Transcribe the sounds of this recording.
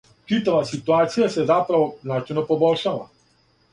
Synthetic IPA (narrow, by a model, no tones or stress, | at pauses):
t͡ʃit̪aʋasit̪uaːt̪sijasɛzapɾaʋɔznat͡ʃɛjnɔpɔbɔlʃala̰